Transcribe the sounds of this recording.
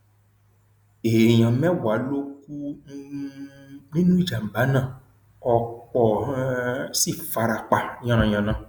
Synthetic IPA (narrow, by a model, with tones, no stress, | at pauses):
e˨ɲã˨mɛ̃˦wa˨˦lo˦k̚u˦ | nĩ˦nũ˦i˦˨d͡ʒa˨m̩˨ba˨˦nã˦˨ | ɔ˨k͡pɔ˨˦si˦˨fa˨ɾa˨k͡pa˨ɲã˧nã˨ɲã˨nã˨